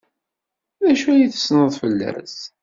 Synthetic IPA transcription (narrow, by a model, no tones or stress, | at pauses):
ðæʃuliθə̥snəðˤfəlːæ̰s